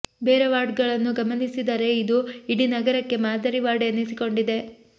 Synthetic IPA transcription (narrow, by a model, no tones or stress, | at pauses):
beːɾeʋaːɖɡɐɭɐnːuɡɐmɐnisid̪ɐɾe̞id̪uiɽinɐɡɐɾɐkːe̞maːd̪ɐɾiʋaːɽeɐnːisiko̞ɳɖid̪e̞